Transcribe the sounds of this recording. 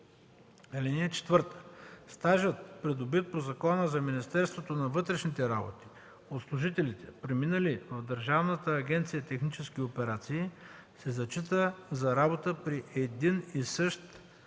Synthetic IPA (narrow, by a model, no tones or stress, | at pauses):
ɛlɛniɛt͡ʃɛ̥t̪vɤɾt̪ə̥st̪aʒət̪pɾɛd̪ʊbit̪̚pozɐkɔnəzɐminist̪ɛɾst̪vot̪onɐvɤt̪ɾɛʃnit̪ɛɾabo̰t̪i̥ | ot̪slˠʊʒit̪ɛlit̪ɛ̥pɾɛminəlivɐvd̪əɾʒavnət̪əːɡʲɛnt̪sijət̪ɛxnit͡ʃɛskʲiopɛɾat̪siː | sɛzɐt͡ʃit̪əzɐɾabot̪əpɾiʔɛd̪inisɤʃt̪